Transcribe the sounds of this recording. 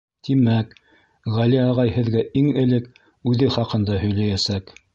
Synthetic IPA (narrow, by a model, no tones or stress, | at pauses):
t̪imæk | ʁæliɑʁɑjhɘ̆ðɡæʔiŋɘ̆lɘk | ʉðɘχɑqɤ̆nd̪ɑhɵ̆jlæjæsæk